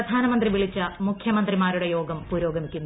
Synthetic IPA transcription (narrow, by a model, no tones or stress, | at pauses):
ɐd̪ʱaːnɐmɐnd̪riʋiɭit͡ɕːɐmukʰjɐmɐnd̪rimaːɾuɽe̞jo̞ːɡɐmpuːɾo̞ːɡɐmikʲːunːu